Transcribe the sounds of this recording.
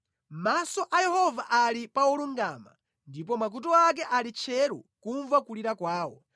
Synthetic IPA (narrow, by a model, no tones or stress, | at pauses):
masɔʔajɛhɔvaʔalipauluŋɡaːma̰ | ndip̬ɔmak̬utɔak̬ɛʔalit͡ʃʰɛɾṵkuɱvakuliɾakwaːwɔ